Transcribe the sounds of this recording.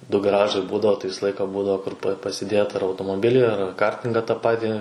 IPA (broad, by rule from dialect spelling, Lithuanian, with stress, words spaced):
dʊ ɡɐˈrɑːʒɐɪ ˈbuːdɐʋoː tɐɪ ˈʋʲɪsɐ ˈlˠɐɪkɐ ˈbuːdɐʋoː kʊr pɐ pɐsʲɪˈdʲeːt ɐr ɐʊtoːmoːˈbʲɪlʲiː ɐr ˈkɐrʲtʲɪŋɡɐ tɐ ˈpɑːtʲiː